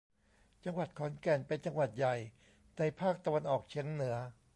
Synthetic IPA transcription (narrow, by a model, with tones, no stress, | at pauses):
t͡ɕa˧ŋwa˨˩t̪̚kʰɔː˩˦nkɛ˨˩npe˧nt͡ɕa˧ŋwa˨˩t̪̚ja˨˩j | na˧jpʰaː˥˩k̚t̪a˧wa˧nʔɔː˨˩k̚t͡ɕʰiː˩˦əŋnɯ˩˦ɐ